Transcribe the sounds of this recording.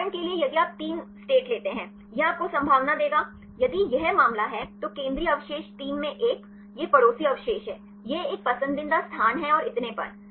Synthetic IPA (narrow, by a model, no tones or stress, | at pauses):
əɳkeliejɐd̪iaːp̚t̪iːnsʈeːʈleːt̪eɦɛ̃ː | jeaːp̚kosɐ̃mbʱaːʋnad̪eːɡaː | jɐd̪ijɛɦmaːmlaɦɛt̪okẽːnd̪ɾiɐʋʃeːʃʈiːmːẽʔeːk | jepɐɽoːsiɐʋʃeːʃɦɛː | jeeːk̚pɐsə̃nd̪ɪ̃nd̪ast̪ʰaːnɦɛɔːɾɪt̪nepɐ̰ɾ